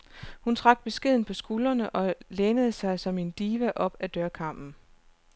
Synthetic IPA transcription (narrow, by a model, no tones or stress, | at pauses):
hunt͡sʰʁɑ̈ɡ̥̚b̥e̝sɡ̥e̝ð̞̰ˠn̩pʰɒ̽sɡ̥ulɐnəʔɒ̽leːnəð̞̩ˠsɑ̈ɪsɒ̽me̝nd̥iːʋæʔɒ̽b̥æd̥ɶɐkʰɑ̈m̰b̥n̩